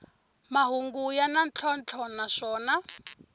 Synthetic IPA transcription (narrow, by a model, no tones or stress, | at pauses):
maɦuŋɡujanant͡ɬʰɔnt͡ɬʰɔnaʂɔːna